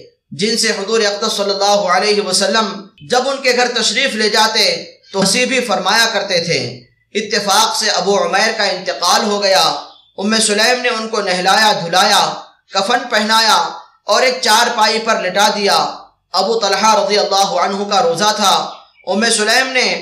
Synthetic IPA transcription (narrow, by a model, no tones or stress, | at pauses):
d͡ʒɪnseɦʊzuːɾeɐq̚d̪əɾsɐlːəlːaːɦuəleːɦiʋɐsɐlːəmd͡ʒɐbʊnkeɡʱɐɾt̪ɐʃɾiːfled͡ʒaːt̪et̪osibʱifɐɾmaːjakɐɾt̪et̪ʰḛː | ɪt̪ːɪfaːqseʔɐbuʊmɛːɾkaɪ̃nt̪ɪqaːlɦoɡɐja | ʊmːesʊlɛːmneʊnkonɛɦlaːjad̪ʱʊlaːja | kɐfənpɛɦnaːja | ɔːɾeːk̚t͡ʃaːɾpaːipɐɾlɪʈad̪ija | ɐbut̪ɐlħaɾɐd̪ijəlːaːɦʊʕənɦukaɾoːzat̪ʰa | ʊmːesʊlɛːmne